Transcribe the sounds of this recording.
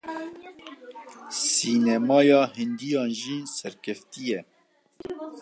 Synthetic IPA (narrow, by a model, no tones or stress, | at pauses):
siːnɛmɑːjɑːɦɪnd̪ijɑːnʒiːsɛɾkʰɛft̪ijɛ